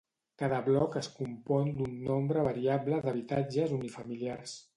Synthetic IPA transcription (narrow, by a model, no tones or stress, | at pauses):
kaðəβlɔkəskumpɔnd̪unːombɾəβəɾiabləðəβit̪ad͡ʒəzunifəmiliars